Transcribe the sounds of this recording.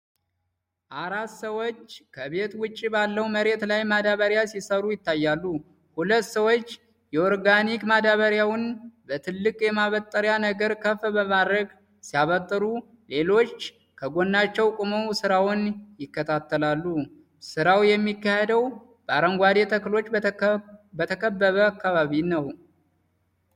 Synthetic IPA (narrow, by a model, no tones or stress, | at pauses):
ʔaɾat̪səwot͡ʃːkʰəbe̞t̪wʊt͡ʃʼːibalːəwməɾe̞t̪lajmad̪aβəɾjasisəɾujɪt̪ːajːalːu | hulət̪ːsəwot͡ʃː | jɛoɾɡanikmad̪aβəɾjawnbət̪ʰɨlːɨkʼjɛmaβət̪ʼːəɾjanəɡəɾkʰəfbəmad̪ɾəɡ | sijaβət̪ʼːɨɾu | le̞lo̞t͡ʃː | kʰəɡo̞nːat͡ʃːɛwkʼʊmowsɨɾawnjɪkːət̪ʰat̪ʰːəlalːu | sɨɾawjɛmːikːahed̪əw | b̥əaɾəŋɡwad̪et̪ʰəkɨlo̞t͡ʃː | bət̪ʰəkʰəbːəβəakːaβaβinəw